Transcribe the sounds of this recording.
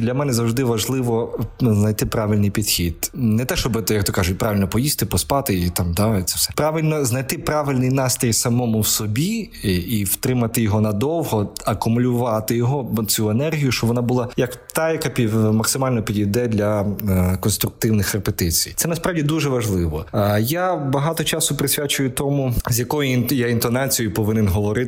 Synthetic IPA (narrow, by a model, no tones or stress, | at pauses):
d̪lʲɐmɛnɛzɐwʐd̪ɪʋɐʒlˠɪʋɔznɐjt̪ɪpɾɑʋɪlʲnɪjpʲid̪xʲid̪nɛt̪ɛʃt͡ʃɔbɪt̪jɐk̚t̪ɔkɑʒʊt̚ʲpɾʔɑʋʲɪlʲnɔpɔjist̪ɪpɔspɑt̪ɪit̪ɑmt̪at̪sɛfsɛpɾɑʋɪlʲnɔznɐjt̪ɪpɾɑʋɪlʲnɪjnɑst̪ɾʲijsɐmɔmʊwsɔbʲiiwt̪ɾɪmɐt̪ɪjɔɦɔnɐd̪ɔwɦɔɐkʊmʊlʲʊʋɑt̪ɪjɔɦɔt͡sʲuenɛrɦʲijʊʃt͡ʃɔbʋɔnabʊlˠɑjɐkt̪ɑjɐkapʲimɐksɪmɑlʲnɔpʲid̪ʲijd̪ɛd̪lʲɐkɔnst̪ɾʊk̚t̪ɪwnɪxrepet̪ɪt͡sʲijt̪sɛnɐspɾɑwdʲid̪uʒɛʋɐʒlˠɪʋɔjabɐɦɑt̪ɔt͡ʃɑsʊpɾɪsʲʋʲat͡ʃʊjʊt̪ɔmuzʲjɐkɔjʊjaint̪ɔnɑt͡sʲijɔjʊpɔʋɪnɛnɦɔʋɔɾɪ